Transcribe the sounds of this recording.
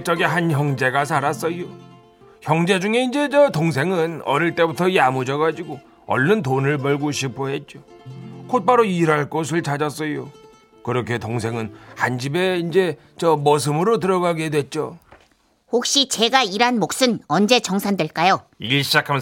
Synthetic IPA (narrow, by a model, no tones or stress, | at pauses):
k̚t͡ɕ͈ʌɡeɦançjʌŋd͡ʑe̞ɡasʰaɾas͈ʌjo | çjʌŋd͡ʑe̞d͡ʑuŋe̞ind͡ʑe̞t͡ɕʌtoŋs̬ʰe̞ŋɯnʌ̰ɾiɭt͈e̞butʰʌiamud͡ʑʌɡad͡ʑiɡo | ʌ̰ɭːɯntonɯɭbʌɭɡoɕʰipʰoɦe̞t̚t͡ɕ͈okʰot̚p͈aɾoiɾaɭk͈os̬ʰɯɭt͡ɕad͡ʑʌs͈ʌjo | kɯɾʌkʰe̞toŋs̬ʰeŋɯnhand͡ʑibe̞ind͡ʑe̞ | t͡ɕʌmʌs̬ʰɯmɯɾot̬ɯɾʌɡaɡe̞dwe̞t̚t͡ɕ͈o | hok̚ɕ͈it͡ɕe̞ɡaiɾanmok̚s͈ɯnʌnd͡ʑe̞t͡ɕʌŋsʰandwe̞ɭk͈ajo | iɭɕʰid͡ʑakʰam